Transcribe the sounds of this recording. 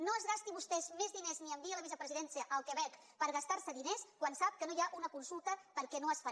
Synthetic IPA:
noəzɣast̪iβust̪ɛzmezðinezniəmbiələβizəpɾəziðɛnsiəʔːlˠkəβɛk | pəɾɣəst̪aɾsəðineskwansap̚kənojaʔunəkunsulˠt̪əpəɾkɛnoəsfa

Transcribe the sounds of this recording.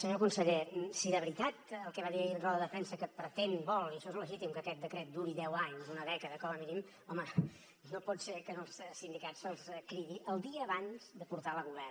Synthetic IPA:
səɲokunsəʎesiðəβɾit̪at̪əlˠkɛβaðiɾnrɔðəðəfɛnsəkəpɾət̪enbɔlˠiəʃɔezləʒit̪imkəkɛt̪̚d̪əkɾɛt̪̚d̪uɾiðɛwaɲzunəðɛkəðəkɔməminim | ɔmə | nopɔtsekənəlˠssind̪ikatsəlˠskɾiβiʔəlˠd̪iəːβanz̥d̪əpuɾt̪aləɣuβɛr

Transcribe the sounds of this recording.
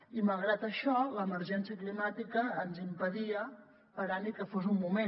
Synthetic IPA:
iməlˠɣɾat̪əʃɔləməɾʒɛnsijəklimat̪ikəːnzimpəðiə | pəɾanikəfozumːume

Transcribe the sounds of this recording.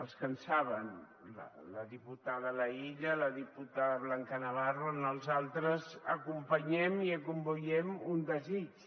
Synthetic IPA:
əlˠskənsaβən | lə̰ləðiput̪aðələiʎələðiput̪aðəβlaŋkənəβarunəlˠzalˠt̪ɾəzəkumpəɲɛmiəkumbojɛmund̪əzit͡ʃ

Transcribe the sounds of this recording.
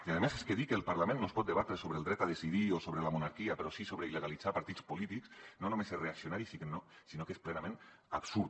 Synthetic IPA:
iaðemeseskeðikəːlˠpaɾlamẽnːospɔt̪d̪eβat̪ɾesoβɾeəlˠd̪ɾɛt̪aðesiðiosoβɾəlamunaɾkiapeɾɔsisoβɾeiləɣalid͡zapaɾt̪it͡spolit̪iksnonumesereaksionaɾisikənosinokesplɛnamẽn | a̰bsuɾ

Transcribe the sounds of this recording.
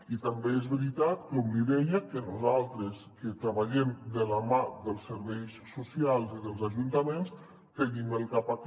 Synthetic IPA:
it̪əmbeezβəɾit̪at̪kuβliðɛjəkənuzalˠt̪ɾəskət̪ɾəβaʎɛmd̪ələmad̪əlˠsəɾβɛjsːusialˠziðəlˠzaʒunt̪əmens | t̪eŋiməlˠkapak

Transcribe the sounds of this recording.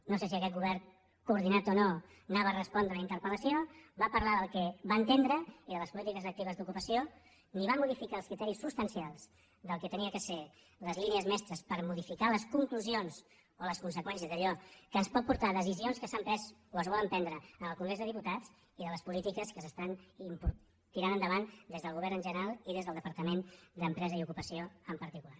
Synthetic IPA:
noses̬iəkɛt̪̚ɣuβɛɾ | kuːɾðinat̪ono | naβəːrəspɔnd̪ɾələint̪əɾpələsioβapəɾlaðəlˠkɛβaənt̪end̪ɾəiðələspulit̪ikəzək̚t̪iβəzd̪ukupəsio | niβ̞amːuðifikaːlˠskɾit̪ɛɾisːust̪ənsialˠz̥ | d̪əlˠkɛt̪əniəkəse | ləzliniəzmɛst̪ɾəspəɾmuðifikaləskuŋkluzionz | oləskunsəkwɛns̬iəzðəʎɔkəspɔt̪̚puɾt̪aðəzizionskəsampɾɛzoəzβɔləmpɛnd̪ɾəənəlˠkuŋɡɾezðəðiput̪ad͡z | iðələspulit̪ikəskəsəst̪animpu | t̪iɾanənd̪əβand̪ezðəlˠɣuβ̞ɛɾnə̃nʒənəɾalˠiðezðəlˠðəpəɾt̪əmend̪əmpɾɛzəiukupəsioəmpəɾt̪ikula

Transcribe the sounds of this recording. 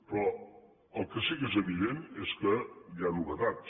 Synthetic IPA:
pɾɔ | əlˠkəsiɣezəβiðeneskəjanuβət̪at̪

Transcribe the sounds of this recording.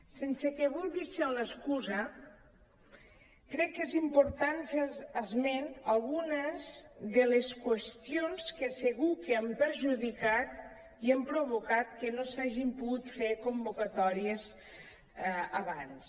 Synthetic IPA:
sensekeβulˠɣiseləskuzɐ | kɾɛkːezimpoɾt̪anfeəzmenalˠɣunəzðeleskwest̪ionskeseɣukeampəɾʒuðikat̪ | iampɾoβokat̪kenosaʒimpuɣut̪fekombukat̪ɔɾiez | aβans

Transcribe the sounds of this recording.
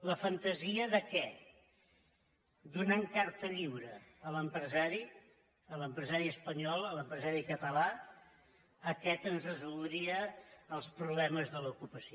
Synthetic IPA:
ləfənt̪əziəðəkɛ | d̪unaŋkaɾt̪əʎiwɾəːləmpɾəzaɾi | ələmpɾəzaɾiəspəɲɔlˠələmpɾəzaɾikət̪əla | əkɛt̪ənzrəzulˠd̪ɾiəəlˠspɾuβlɛməzðəlukupəsio

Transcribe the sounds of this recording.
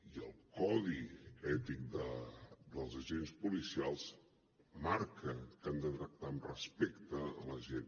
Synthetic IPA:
iəlˠkɔðiɛt̪ik̚d̪əd̪əlˠzəʒenspulisialˠz | maɾkəkand̪ət̪ɾək̚t̪amrəspɛkt̪əːləʒen

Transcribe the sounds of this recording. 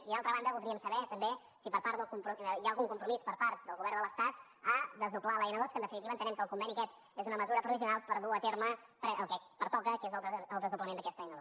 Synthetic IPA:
iðalˠt̪ɾəβand̪əβulˠd̪ɾiəmsəβɛt̪əmbe | sipəɾpaɾt̪əlˠkumpɾujaəlˠɣuŋkumpɾumispəɾpaɾt̪̚d̪əlˠɣuβɛrnd̪ələst̪at̪̚ | aðəzðuplalajnəðoskənd̪əfinit̪iβəːnt̪ənɛmkəlˠkumbɛniəkɛt̪ | ezunəməzuɾət̪ɾuðis̬iunalˠpəɾðuət̪eɾməpɾəlˠkɛpəɾt̪ɔkəkezəlˠəlˠd̪əzðupləmend̪əkɛst̪əjnəðo

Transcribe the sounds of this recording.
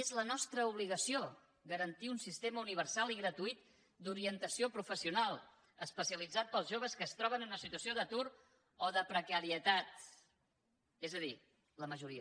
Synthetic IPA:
ezlənɔst̪ɾəuβ̞liɣəsio | ɡəɾənt̪iunsist̪eməuniβ̞ərsalˠiɣɾət̪uit̪̚ | d̪uɾiənt̪əsiopɾufəsiunalˠ | əspəsiəlid͡zat̪̚pəlˠzʒoβ̞əskəːst̪ɾɔβ̞ənnunəsit̪uəsioðət̪uɾ | ɔðəpɾəkəɾiət̪at̪̚ | ezəði | ləməʒuɾiə

